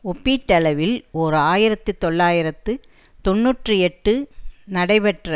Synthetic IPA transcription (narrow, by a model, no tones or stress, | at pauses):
ɔpːiːt̪ːɐlɐʋɪloɾɯaːjɪɾɐt̪ːɯt̪ːɔɭːaːjɪɾɐt̪ːɯ | t̪ɔnːuːʈrɯɛʈːɯnɐɽɐɪpɛʈrɐ